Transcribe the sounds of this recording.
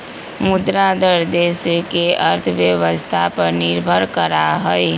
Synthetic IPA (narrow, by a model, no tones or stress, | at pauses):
mʊd̪ɾad̪əɾd̪eskeʔəɾt̪ʰəbjəʋəst̪ʰapəɾnɪɾbʱəɾkəɾaɦoj